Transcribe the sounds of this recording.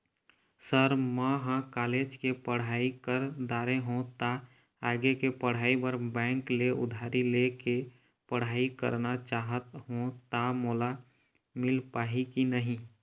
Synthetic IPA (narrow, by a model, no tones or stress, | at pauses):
səɾməɦãkaːleːd͡ʒkepəɽ̤aːikəɾd̪aːɾeɦũt̪a | aːɡekepəɽ̤aːibəɾbɛ̃ːŋkleʊ̰d̪ʱaːɾileke | pəɽ̤aːikə̰ɾnat͡ʃaːɦət̪ɦũt̪amoːla | mɪlpaːɦikinəɦĩ